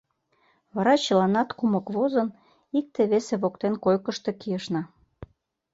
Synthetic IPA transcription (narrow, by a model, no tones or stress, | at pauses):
βɑɾɑt͡ɕəlɑnɑt̪kumɤkβozən | ik̚t̪eβeseβokt̪enkojkəʃt̪e̽kijəʃnɑ